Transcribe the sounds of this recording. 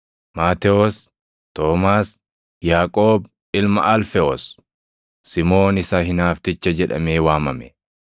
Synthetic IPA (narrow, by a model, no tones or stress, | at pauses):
maːt̪ɛoːs | t̪o̞ːmaːs | jaːkʼoːb | ɪlmɐʔɐlfɛoːsː | ɪmo̞ːnɪsɐɦɪnaːft̪ɪt͡ʃːɐd͡ʒɛᶑɐ̰meːwaːmɐmɛ